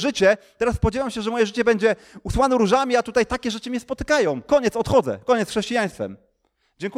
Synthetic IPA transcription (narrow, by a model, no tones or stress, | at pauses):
ʐɘt͡ɕɛt̪ɛɾasːpɔd͡ʑɛvamɕɛʐɛmɔjɛʐɘt͡ɕɛbɛɲd͡ʑɛ | uswanɛɾuʐamʲiat̪ut̪ajt̪akʲɛʐɛt͡ʂɘmʲɲɛspɔt̪ɘ̥kajɔ̃w̃kɔɲɛt̪sɔt̪xɔd̪zɛ̰kɔɲɛt̪sxʂɛɕt͡ɕijaj̃st̪fɛ̰m | d͡ʑɛŋku